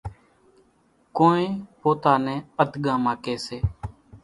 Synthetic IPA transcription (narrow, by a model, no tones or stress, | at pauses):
koːnẽːpoːt̪aːnɛ̃ːəd̪ɠãːmãːkeːseː